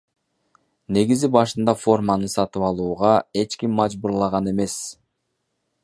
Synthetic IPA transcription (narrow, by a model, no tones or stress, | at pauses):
ne̞ɡizibɑʃɯnd̪ɑfo̞rmɑnɯsɑt̪ɯβɑlˠuːʁɑe̞t͡ʃkimːɑd͡ʒbuɾlˠɑʁɑne̞me̞s